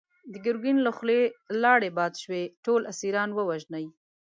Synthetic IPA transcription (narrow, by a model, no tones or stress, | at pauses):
d̪əɡɪɾɡinləxlelɑɽebɑd̪ʃweʈolʔasiɾɑnwəwaʒnaj